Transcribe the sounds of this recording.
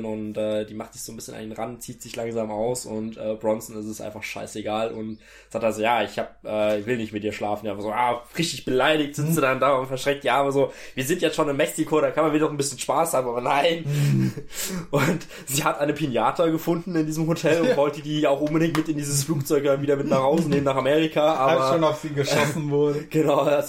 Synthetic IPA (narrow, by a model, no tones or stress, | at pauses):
nʊntʔɛːd̥iːmaχtz̥ɪçz̥oːnbɪsçənʔa̰ndeːnʁant̚t͡siːtz̥ɪçlaŋzaːmaʊsʊntʔɛːbʁɔnsn̩ɪstəstʔa̰ɪnfaχʃa̰ɪseɡaːlʔʊ̰nt | z̥aːk̚tazoːjaːɪçhaːp̚ʔɛːɪçv̥ɪlnɪçtmɪtd̥iːɐʃlaːfn̩jaɪfazoːʔaːʁɪçtɪçb̥əlaɪɾɪçtz̥ɪt͡sz̥udandaːʊntfɛɐʃʁ̥ɛŋk̚tjaːaːbɐzoːviːɐzɪntjɛt͡stʃoːnɪmːɛksikʰoːɾakʰanmanviːdnɔχn̩bɪsçənʃpaːshaːbm̩aːbɐnaɪn | ʔʊnt | z̥iːhatʔaɪnəpʰinjaːtʰɐɡəfʊndn̩ɪndiːzəmhotʰɛlʊntv̥ɔʏltədiːaʊxʔʊnbədɪŋtmɪtɪndiːzəsfluːk̚t͡sɔʏkmaviːdɐmɪtnaːχhaʊzəneːmənaːχameːʁikʰaʔaːbɐoːnaʊfiːɡəʃɔsn̩vʊɐdəɡ̥ənaʊa